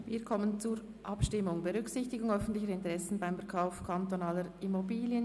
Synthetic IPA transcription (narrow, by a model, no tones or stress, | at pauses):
viːɐkʰɔmənt͡suːɾ | ʔɑpʃtɪmʊŋbɛʁʏksɪçtɪɡʊŋœfn̩tlɪçəɾɪntəʁɛsn̩baɪmfɛɐɾkʰaʊfkʰantonaːləɾɪmobiːljən